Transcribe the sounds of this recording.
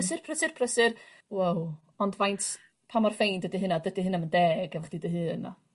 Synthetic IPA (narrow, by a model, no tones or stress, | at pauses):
sɨrpʰrəsɨrpʰrəsɨr | waw | ɔndvajntʰ | pʰamarfejndədiɦɨnadədiɦɨnaməndɛːɡɛvaχd̥idəɦɨːna̰